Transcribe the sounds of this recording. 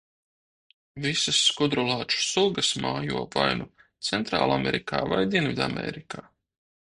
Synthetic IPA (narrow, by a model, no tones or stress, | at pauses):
visasːkud̪ɾulˠaːt͡ʃu̥sulˠɡɐsmaːjuɔvajnut̪sɛnt̪ɾa̰ːlˠamɛɾikaːvajd̪ʲiɛnvʲid̪a̰mɛ̰ɾikaː